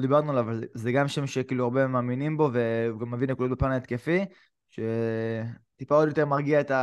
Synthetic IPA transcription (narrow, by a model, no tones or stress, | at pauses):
d̪ibaʁnualavalzeɡamʃemʃekiːluaʁbemaːminimbo̞ve̞ɡamːevinlekulobepanet̪kefi | ʃe̞ | t̪ipao̞d̪jo̞t̪e̞ʁmaʁɡiaet̪a